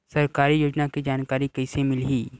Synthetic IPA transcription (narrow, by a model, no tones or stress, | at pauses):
sɐɾkaːɾijoːd͡ʒnakid͡ʒaːnkaːɾikɐɪsemɪlɦiː